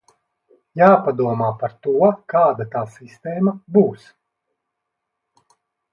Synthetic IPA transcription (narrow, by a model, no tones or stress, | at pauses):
jaːpad̪uɔmaːpaɾt̪uɔkaːd̪at̪aːsist̪ɛːmɐbuːs